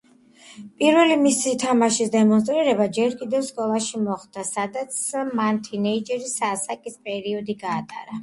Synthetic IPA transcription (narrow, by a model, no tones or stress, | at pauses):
pʼiɾvɛlimisit̪ʰamaʃisd̪ɛmɔns̬t̪ʼɾiɾɛbad͡ʒɛɾkʼid̪ɛvskʼɔlˠaʃimɔχd̪̥asad̪at̪sʰmant̪ʰinɛid͡ʒɛɾisasakʼispʼɛɾiɔd̪iɡaːt̪ʼaɾa